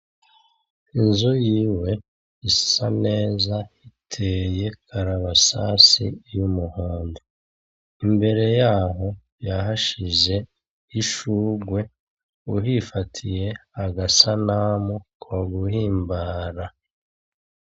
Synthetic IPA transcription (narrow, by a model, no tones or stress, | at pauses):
inzujiːwe̞ | isane̞ːzahitʰeje̞kʰaɾaβasasḭjumuhoːndu | imbe̞ɾe̞jaːɦo̞ | jaɦaʃiʒe̞ | iʃuːɡwe̞ | uɦifatʰije̞aɡasanaːmukaɡuhiːmbaɾa